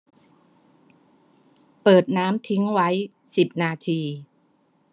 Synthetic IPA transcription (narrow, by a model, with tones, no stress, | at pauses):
pɤː˨˩t̪̚naː˦˥mt̪ʰi˦˥ŋwa˦˥j | si˨˩p̚naː˧t̪ʰiː˧